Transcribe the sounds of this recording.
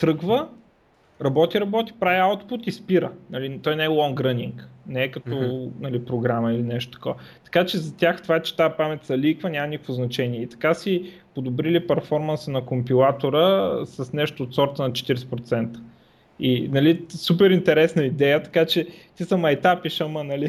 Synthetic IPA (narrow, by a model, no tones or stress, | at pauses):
t̪ɾɤɡvə | ɾɐbɔt̪iɾɐbɔt̪i̥pɾaviawt̪put̪ispiɾə̰nɐlit̪ɔjnɛɛlˠɔŋɡɾəniŋknɛːkɐt̪ɔnɐlipɾoɡɾamɐilinɛʃt̪o̥t̪ɐ̥kɔvɐt̪ɐ̥kat͡ʃɛzɐt̪ʲaxt̪ovat͡ʃɛ̥t̪apamɛt̪sɐlikvənʲamɐnikəkfvoznɐt͡ʃɛniɛit̪ɐ̥kasi | pod̪ʊbɾilipɛɾfɔɾmɐnsənɐkompilˠat̪oɾəsɐsnɛʃt̪oːt̪sɔɾt̪ənɐt͡ʃɛ̥t̪iɾsɛ̥pɾot̪sɛnt̪ə̥ | inɐlisupɛɾint̪ɛɾɛsnɐid̪ɛjət̪ɐ̥kat͡ʃɛt̪isɐmɐjt̪apiʃəmənɐli